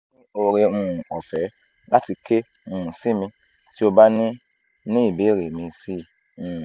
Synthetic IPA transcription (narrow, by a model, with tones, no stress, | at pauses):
ĩ˦o˧ɾe˧ũ˦˨ɔ˨fɛ˨˦ | la˦ti˧ke˦ | ũ˨ũ˨si˦mĩ˧ | ti˦o˧ba˦nĩ˦ | nĩ˦i˨be˨˦˨ɾe˨mĩ˧si˦ | ũ˧˨